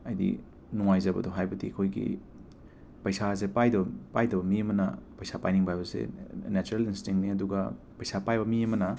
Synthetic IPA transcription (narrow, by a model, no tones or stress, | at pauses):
ɐjdḭ | nuŋajzɐbɐ̰doɦajbɐdḭkʰojɡḭ | pɐjsaz̬epajdopajdomiɐmɐnɐpɐjsapajniŋbajbɐsḛnat͡ʃuɾelinstiŋniɐduɡɐ | pɐjsapajbɐmiɐmɐnɐ